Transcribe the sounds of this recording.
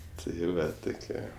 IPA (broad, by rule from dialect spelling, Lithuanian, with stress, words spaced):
tɐɪ ˈʋɐ ˈtʊkʲiɛ